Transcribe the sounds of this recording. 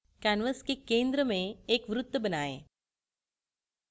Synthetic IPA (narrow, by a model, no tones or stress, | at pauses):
kaːnʋəskekẽːnd̪ɾəmẽeːkʋɾʊt̪ːəbɐnaːḛː